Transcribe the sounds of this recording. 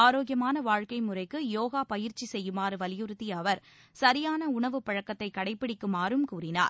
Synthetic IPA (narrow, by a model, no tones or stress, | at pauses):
aːɾoːɡɪjɐmaːnɐʋaːɻkɐɪmɯrɐɪkːɯjoːɣaːpɐjɪɾt͡ʃːisɛjːɯmaːɾɯʋɐlɪjɯɾɯt̪ːiɐʋɐɾ | sɐɾɪjaːnɐʊɳɐʋɯpɐɻɐkːɐt̪ːɐɪkːɐɽɐɪpːɪɽɪkːɯmaːɾɯmkuːrɪna̰ːɾ